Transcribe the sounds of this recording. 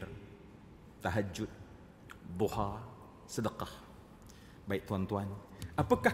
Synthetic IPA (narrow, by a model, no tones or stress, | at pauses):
r | t̪aɦad͡ʒʊt̪̚ | buha | sədəqɑh | baiʔ̚t̪uant̪uanʔapaka